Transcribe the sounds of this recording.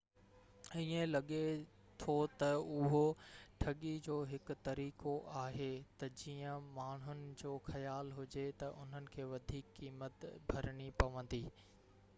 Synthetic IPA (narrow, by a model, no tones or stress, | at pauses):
iːẽlɐɠe | t̪ʰot̪ɐʊɦoʈʰɐɠid͡ʑoːɦɪkʊ̆t̪ɐɾiːkoʔaːɦet̪ɐd͡ʑiːə̃maːɳ̤ʊnɪ̆d͡ʑoːxɐjaːlɦʊd͡ʑet̪ɐʔʊn̤ənɪ̆kʰeːʋɐd̪ʱiːkːiːmət̪bʱɐɾɽ̃ipɐʋə̃n̆d̪iː